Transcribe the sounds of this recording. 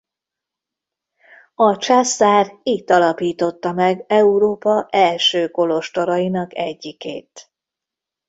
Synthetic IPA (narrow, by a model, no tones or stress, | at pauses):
ɒt͡ʃasːaːrit̪ːɒlɒpiːt̪o̞t̪ːɒmɛɡɛuɾoːpɒʔɛlʃøːko̞lo̞ʃt̪o̞ɾɒjinɒkɛɟːikḛːt̪